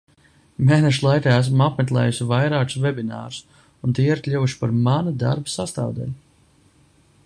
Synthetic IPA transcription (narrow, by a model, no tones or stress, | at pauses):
meːnɛʃulˠajkaːæs̬mapmɛt̪lˠɛ̰ːjusivajɾaːksvɛbina̰ːɾu̥s | unt̪iːiɾklʲuvuʃi̥paɾmanud̪a̰ɾbḁsast̪a̰ːvd̪ɛ̰li